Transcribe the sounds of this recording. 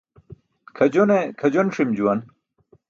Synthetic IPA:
kʰɐd͡ʑonekʰɐd͡ʑonʂimd͡ʑuwɐn

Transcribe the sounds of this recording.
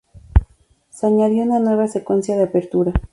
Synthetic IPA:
seaɲaðjo̞unanwe̞β̞asekwe̞nsjaðeapeɾt̪uɾa

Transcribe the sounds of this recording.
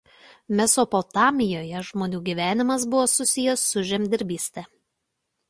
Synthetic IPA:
mʲɛsopɔt̪ɑːmʲɪjoːjɛʒmoːnʲuːɡʲiːˑʋʲæːnʲɪmɐs̬bʊʋoːsʊsʲɪjɛsːʊʒʲɛmʲd̪ʲɪɾʲbʲiːsʲt̪ʲɛ

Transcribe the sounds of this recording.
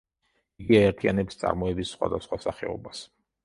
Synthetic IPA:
iɡiaɛɾt̪ʰianɛpst̪sʼa̰ɾmɔɛbisːχwa̰d̪asχwasaχɛ̰ɔ̰bas

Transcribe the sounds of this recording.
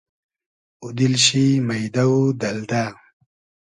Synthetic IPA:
ud̪ilɕimɐjd̪awud̪ɐld̪a

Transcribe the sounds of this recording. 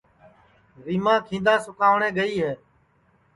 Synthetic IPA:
ɾiːmãːkʰĩːnd̪aːsʊkaːʋɳẽːɡəiːɦɛː

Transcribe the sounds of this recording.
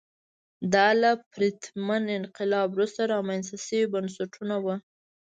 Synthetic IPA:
d̪ɑlapɾit̪manɪnqɪlɑbɾust̪aɾɑmanst̪asəwibansaʈʰunawə

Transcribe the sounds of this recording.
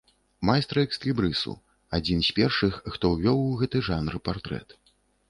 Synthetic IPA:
majst̪ɾɐɛkst̪lʲibɾɨsṵ | ad͡zʲinsʲpʲɛrʂɨxxt̪ɔwvʲɔwuɣɛt̪ɨʐanɾɨpart̪ɾɛ̰t̪

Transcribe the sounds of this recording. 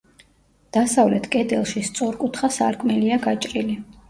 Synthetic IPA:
d̪̥asavlɛt̪ʰkʼɛd̪ɛlˠʃist̪sʼɔɾkʼut̪ʰχasa̰ɾkʼmɛliaɡat͡ʃʼɾili

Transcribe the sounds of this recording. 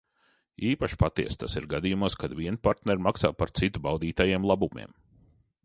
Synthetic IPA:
iːpaʃpat̪ḭɛst̪a̰sḭɾɡad̪ijumuɔskad̪viɛnpaɾt̪nɛɾmaksaːpaɾt̪sit̪ubawd̪iːt̪ajeɛmlˠabumḭɛm

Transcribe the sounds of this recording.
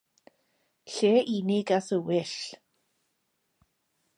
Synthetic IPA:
ɬeːʔinɪɡaθəwɪɬ

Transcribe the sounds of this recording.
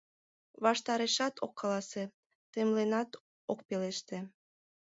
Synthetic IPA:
βɑʃt̪ɑɾeʃɑt̪okːɑlɑse | t̪emlenɑt̪ | ok̚peleʃt̪ĕ

